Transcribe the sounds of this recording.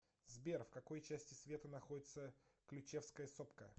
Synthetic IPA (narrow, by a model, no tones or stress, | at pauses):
zbʲerfkɐko̞jt͡ɕæsʲtʲɪsvʲe̞t̪ənɐxo̞dʲɪt̪səklʲʊt͡ɕefskəjəsopkə̰